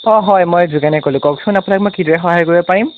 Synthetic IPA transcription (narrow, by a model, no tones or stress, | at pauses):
ɔɦɔjmɔjzuɡanɛkolukɔksʊnapʊnak̚mɔjkidɔɹɛxɔɦajkoɹibɔpaɹim